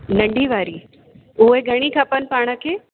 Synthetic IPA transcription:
nɐ̃ɳɖiʋaːɾiː | uɦeɡʱɐɽ̃ikʰəpənɪ̆paːɽ̃ə̆kʰeː

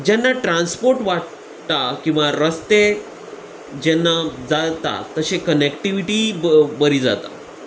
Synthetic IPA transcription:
d͡ʑɛnːaʈɾãnspoɾʈʋaʈ | t̪akĩw̃ʋaɾəst̪e | d͡ʑɛnːad͡zat̪a̰t̪əɕekənekʈiʋiʈibəɾiːd͡za̰t̪a̰

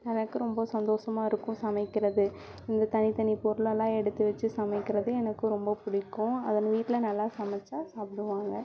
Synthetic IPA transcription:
ɛnɐkːɯɾɔmbɐsɐnd̪oːʂɐmaːɪɾɯkːʊ̃sɐmɐɪkːɪɾɐðɯ | ɪnd̪ɐt̪ɐnɪt̪ɐɳipɔɾɯlɐlːãːɛɽɯt̪ːɯʋɐt͡ʃːɯsɐmɛɪkːɪɾɐðɯɛnɐkːɯɾɔmbɐpʊɽɪkːʊ̃ɐ̰ðɐnːʋiːʈːɪlɐnɐlːaːsɐmɐt͡ʃːaːsaːpɪɽɯʋaːŋɡɐ

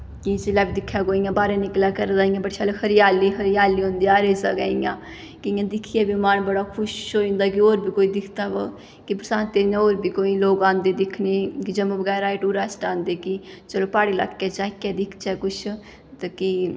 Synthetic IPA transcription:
kit͡ʃɪlaːbid̪ɪkʰːjaːɡoːijãːbaːɾeːnɪklaːkəɾd̪aːijãːbəʈʃʰaːlekʰəɾɪjaːliːɦəɾɪjaːliːɦõnd̪iːaːɾeːza̰ɡa̰ːijãː | kɪãːd̪ɪkʰiɛːbimaːnbəɽaːkʰʊʃoːĩːnd̪aːkioːɾbʱiːkoːiːd̪ɪkʰt̪aːʋə | kɪpɾəsãːnt̪eːɾnãoːɾbʱiːkoːiːloːɡãːnd̪eːd̪ɪkʰneːkid͡ʒəmõbəɡɛːɾaːɪʈuːɾaːsʈãːnd̪eːkit͡ʃəloːpaːɽiːla̰kːɛːd͡ʒaːkːɛːd̪ɪkʰt͡ʃɛːkʊt͡ʃʰ | t̪ːki

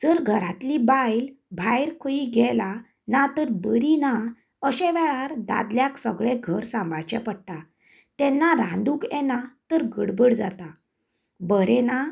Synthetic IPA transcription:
d͡zəɾɡʱəɾat̪libajlbʱajɾkʰəiɡɛla | nat̪əɾbəɾina | əɕɛ̃ʋɛɭaɾd̪a̰d̪ljaksəɡɭeɡʱəɾsãmbat͡ɕɛpəɽʈ̪a | t̪ɛnːaɾãnd̪uːkɛnat̪əɾɡəɽbəɽd͡za̰t̪a | bəɾɛna

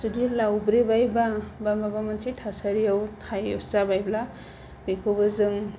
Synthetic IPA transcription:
sudilawbɾibajbabamabamɯnsitʰasaɾijawtʰajɔ̰szabajbla | bikʰɯwbɯzɯŋ

